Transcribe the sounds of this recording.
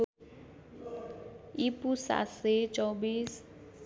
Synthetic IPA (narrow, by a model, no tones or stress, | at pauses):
ipʼusa̰set͡ʃʼɔbis